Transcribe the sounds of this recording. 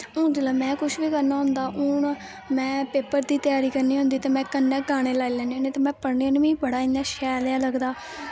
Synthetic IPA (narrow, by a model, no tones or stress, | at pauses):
ʊd͡ʒəlaːmɛ̃ːkʊʃʋiːkəɾnaːɦʊ̃ːnd̪aːʔʊɳ | mɛ̃ːpeːpəɾd̪iːt̪ɪjaːɾiːkəɾniːõnd̪iːt̪eːmɛ̃ːkənːɛ̃ːɡaːɽ̃eːlaːiːlɛ̃ːneːneːt̪eːmɛ̃ːpəɾɳeːnʋĩːbəɽaːĩnd̪aːʃɛːljaːləɡd̪aː